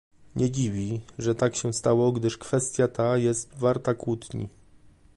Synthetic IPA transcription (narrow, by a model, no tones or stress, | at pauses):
ɲʔɛd͡ʑivʲiʐɛt̪akɕɛ̃st̪awɔɡd̪ɘʂkfɛst̪ʲjat̪ajɛst̪vaɾt̪akwut̪ɲḭ